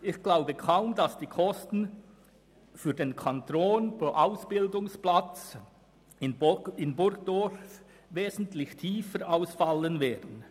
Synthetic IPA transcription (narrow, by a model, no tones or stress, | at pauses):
ɪçɡ̥laʊbəkʰaʊmdasd̥iːkʰɔstn̩ | fyːɐdeːnkʰantoːnpoʔaʊsb̥ɪldʊŋsplat͡s | ɪnbɪnbʊrɡd̥ɔf | veːzn̩tlɪçtʰiːfəɾaʊsfalənvɛːɐd̥n̩